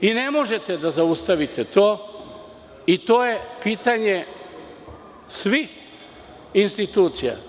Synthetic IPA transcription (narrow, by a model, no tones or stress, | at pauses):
inemo̞ʒet̪ed̪azaust̪aʋit̪ʰet̪oː | it̪oːjepiːt̪aɲe | sʋix | inst̪it̪uːt̪sija̰